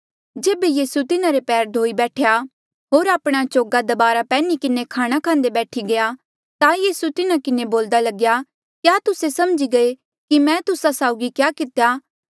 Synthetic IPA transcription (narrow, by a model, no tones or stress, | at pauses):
d͡ʒeːbejiːsut̪ɪnaɾepɛːɾd̪ʱoːibɛːʈʰeja | ɦoːɾaːpɽ̃at͡ʃoːɡad̪ɐbaːɾapɛːnikɪnekʰaːɽ̃akʰãːnd̪ebɛːʈʰiɡɐja | t̪ãjiːsut̪ɪnakɪneboːld̪alɐɡja | kjaːt̪ʊsesɐmd͡ʒiɡɐe | kimɛ̃ːt̪ʊsasaːʊɡikjaːkɪt̪ejaː